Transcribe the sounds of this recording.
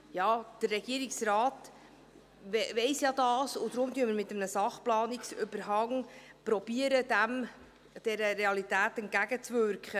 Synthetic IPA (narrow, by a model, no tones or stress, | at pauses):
jɑːd̪̥ərːɛɡ̥iəɾiksrɑːt | ɛvɛɪsjɑːd̪ɑːsʊd̥̪ɾʊmtyːəməɾmɪtːəmnəsɑχplɑːnɪksʏbəɾɦɑŋpɾɔb̥iːəɾəd̪æm | d̥ɛɾəɾeɑlitæːtɛnt̚ɡæɡət͡svʏɾkχə